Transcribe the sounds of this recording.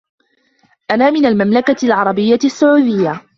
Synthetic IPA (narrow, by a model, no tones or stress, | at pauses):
ʔanaːmɪnalmamlakalʕɑɾˤɑbɪjːasːʊʕuːd̪ɪjːa